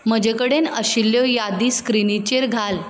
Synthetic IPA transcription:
məd͡ʑekəɽenəɕilːjɔjad̪iskɾinit͡ɕeɾɡʱal

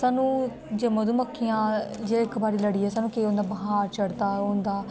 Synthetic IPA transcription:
saːnũː | d͡ʒeːmõd̪uːməkʰːijãːd͡ʒeːɪkbaːɾiːləɽiːɦɛːsaːnũːkeːõːnd̪aːbəɦaːɾt͡ʃəɽd̪aːõːnd̪aː

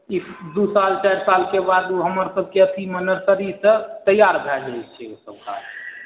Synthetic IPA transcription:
id̪usalt͡ʃajɾsalkebad̪uɦəməɾsəb̚keət̪ʰimənəɾkəɾisət̪əjaɾbʱɛd͡ʒajt͡ʃʰɛosəb̚ka̰ɾ

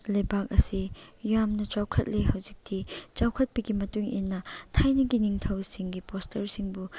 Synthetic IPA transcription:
lɐjbak̚ɐsijamnɐt͡ʃawkʰɐt̚lejɦɐwzik̚tʰit͡ʃawkʰɐt̚pɐɡimɐtuŋḭnːɐtʰajnɐɡiniŋtʰɐwsiŋɡipostʰɐɾsiŋbu

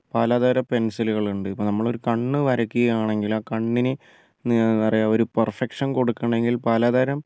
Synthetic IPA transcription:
paːlaːðaːɾɐpe̞nsiluɣɐɭuɳɖɨipːoːnɐmːɐɭo̞ɾukɐɳːɨʋɐɾɐkːuɣɐjaːɳe̞ŋɡilaːkɐɳːinɨ | ɐrijaoɾupɐrfekʂɐnko̞ɽukːɐɳɖe̞ŋɡilpaːlaːðaːɾɐm

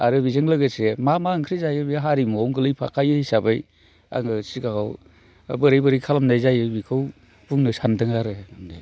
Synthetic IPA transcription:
aɾɯbizɯŋlɯɡɯsemamaŋkʰɾizajɯbiɦaɾimɔwŋɡɯlɯjpʰa̰kʰajɯhisabɯj | a̰ŋɯsikaɡaw̰ | bɯɾɯjbɯɾijkʰalamnajzajɯbikʰɯw | buŋnɯsandɯŋaɾɯamdḛ

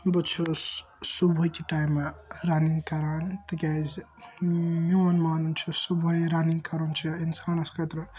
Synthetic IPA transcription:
but͡ʃʰu | subʱujkiʈajmːaɾaniŋkɐɾant̪iɡʲaz | miwɐnmaːnunt͡ʃʰusubʱojɾaniŋkɐɾunt͡ʃʰiinsanɐskɐt̪ɾɐ

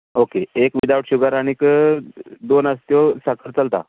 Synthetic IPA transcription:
okeekʋid̪aʋʈɕuɡaɾaɽ̃ik | d̪onəst̪josakəɾt͡səlt̪a̰

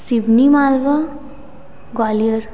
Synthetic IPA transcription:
sibnimaːlʋa | ɡwaːlijəɾ

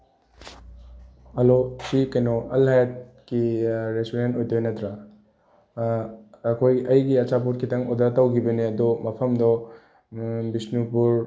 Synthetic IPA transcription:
hɐlosikɐjnɔʔɐlhajat̚kiɾestoɾentojtojnɐtɾa | ɐkʰojɐjɡiɐt͡ʃap̬uɾkʰitɐŋod̪atɐwkʰibɐniɐd̪ɔmɐpʰɐmdɔ | bisnupuɾ

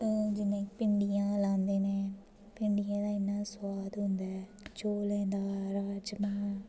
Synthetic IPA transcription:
d͡ʒɪnẽːpɪɳɖijãːlãːnd̪eːnẽː | pɪɳɖijãːd̪aːɪnːaːswaːd̪ɦʊ̃nd̪aːɛ | t͡ʃoːlɛ̃ːd̪aːɾaːd͡ʒmãː

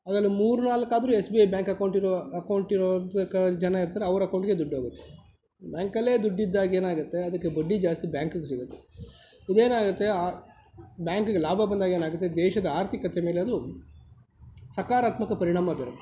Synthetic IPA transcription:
ɐɡɐlːumuːɾunaːlɐkːaːd̪ɐɾuesbiɐjbjaːŋkɐkɐwɳʈiɾɔɐkɐwɳʈiɾɔt̪ɐkɐd͡ʒɐnaiɾt̪ɐːɾeɐʋɐɾɐkɐwɳʈɡe̞d̪uɖːoːɡut̪ːe | bʲjaːŋkɐlːe̞ːd̪uɖːid̪ːaːɡe̞ːnaːɡut̪ːe̞ɐd̪ɐkːebɐɖːid͡ʒaːst̪ibjaːŋkuɡes̬iɡut̪ːe | id̪e̞ːnaːɡut̪ːe̞a | bjaːŋkuɡelaːbʱɐbɐnd̪aːɡeːnaːɡut̪ːed̪ɛːʃɐd̪ɐaːɾt̪ʰikɐt̪emeːleɐd̪u | sɐkaːɾaːt̪mɐkɐpɐɾiɳaːmɐbeːɾu

